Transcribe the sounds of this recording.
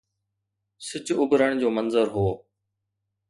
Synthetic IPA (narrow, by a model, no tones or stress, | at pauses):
sɪt͡ɕʊbɾəɳ̃d͡ʑoːmənzəɾɦoː